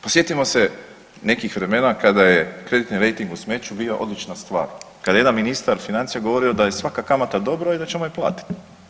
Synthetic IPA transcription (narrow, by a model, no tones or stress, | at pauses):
posjet̪imo̞se̞ | ne̞kixʋɾe̞me̞nakad̪aje̞kɾe̞d̪it̪niɾe̞jt̪iŋɡusme̞t͡ʃubiːoʔo̞̰d̪lit͡ʃnast̪ʋa̰ːɾkad̪ajjeanminist̪aɾfinant̪sijeɡo̞ʋo̞ɾio̞d̪aje̞sʋakakamat̪ad̪o̞bɾoid̪at͡ɕemoiplˠa̰ːt̪i̥t̪